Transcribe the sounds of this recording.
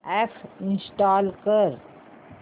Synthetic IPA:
ɛːfʰɪ̃nsʈaːlkəɾ

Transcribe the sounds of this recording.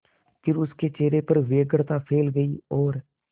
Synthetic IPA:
pʰɪɾʊskeːt͡ʃeːɾeːpəɾʋeːɡəɽt̪aːpʰeːlɡəiːɔːɾ

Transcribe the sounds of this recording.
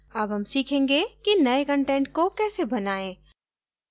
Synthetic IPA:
ɐbɦɐmsiːkʰẽːŋɡekinɐekə̃ɳʈẽːɳʈ̚kokɛːsebɐnaːẽː

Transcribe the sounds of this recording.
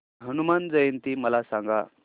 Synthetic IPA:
ɦənumand͡zəjənt̪iːməlasãŋɡa̰

